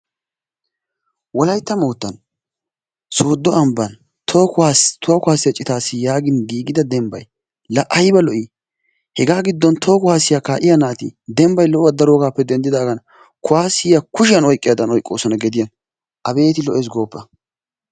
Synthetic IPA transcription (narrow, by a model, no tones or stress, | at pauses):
wɔlɐjt̪ːɐmoːt̪ːɐn | so̞ːd̪ːɔɐmbɐn | t̪ʰoːkʊaːst̪ʊwɐkʊhaːsɪjɐt͡ʃʼɪt̪aːsːɪjaːɡɪnɡ̪iːɡɪd̪ɐd̪ɛmbɐ̰j | lɐʔɐjbɐlɔʔi | hɛɡaːɡɪd̪ːɔnt̪ʰo̞ːkʊhaːsɪjakaːʔɪjɐnaːt̪ɪ̰d̪ɛmbɐjlɔʔɐd̪ɐɾoːɡaːpːɛd̪ɛnd̪ɪd̪aːɡɐn | kʊwaːsɪjakʊʃɪjɐnɔjkʼɪjaːd̪ɐnɔjkʼːo̞̰ːsɔnɐɡɛd̪ɪjɐn | ʔɐbe̞ːt̪ɪlɔʔeːs̬ɡo̞ːpːɐ